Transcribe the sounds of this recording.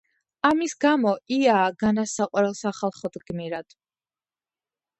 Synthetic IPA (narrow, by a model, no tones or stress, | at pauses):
amisɡamɔiaːɡanasaqʼwaɾɛlˠsaχalˠχɔd̪ɡ̥miɾad̪̥